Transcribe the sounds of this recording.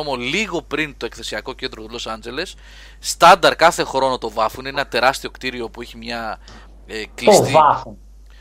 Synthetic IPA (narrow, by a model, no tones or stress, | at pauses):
omoliɣo̞pɾint̪o̞e̞kθe̞siɐko̞ce̞nd̪ɾo̞t̪ulo̞sɐnd͡ze̞le̞sː | t̪ɐnd̪ɐɾkɐθe̞xɾo̞no̞t̪o̞vɐfunenɐt̪e̞ɾɐst̪io̞kt̪iɾio̞pueçimɲɐ | eklist̪ivɐfun